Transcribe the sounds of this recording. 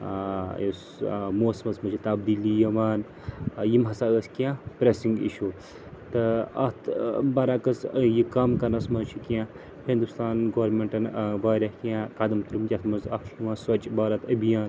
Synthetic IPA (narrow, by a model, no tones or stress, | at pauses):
jis | moːsmɐsmɐt͡ʃʰit̪ɐbd̪ilijɐʋaːn | jimɦɐsaːəskjãpɾesiŋɡḭʃu | t̪ɨɐ̰t̪ʰbɐɾaːkɐsjikamkɐnɐsmɐt͡ʃʰikã | hĩnd̪ust̪aːnɡɐʋɐɾmeɳʈɐnʋaːɾʲɐhkjãkad̪ɐmt̪uɾumd͡ʒʲɐt̪ʰmɐnzɐfiʋaːnsɐt͡ʃʼbaːɾɐt̪ɐbijaːn